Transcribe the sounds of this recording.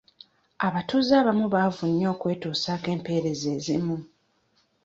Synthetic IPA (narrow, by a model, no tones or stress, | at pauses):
aβatuzaːβamuβaːvunːo̞ːkwe̞ːtuːsaːke̞ːmpe̞ːɾe̞ze̞ːzḭmu